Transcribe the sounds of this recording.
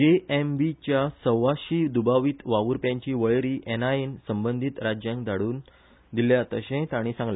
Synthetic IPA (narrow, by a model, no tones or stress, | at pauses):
d͡ʑeembit͡ɕjasəwʋaɕiːd̪ubaʋiːt̪ʋaʋuɾpjãɲt͡ɕiːʋəɭɾiːʔɛnaensəmbənd̪ʱit̪ɾad͡ʑjãŋkd̪aɽuːn | d̪iljat̪əɕẽt̪aɽ̃isãŋɡla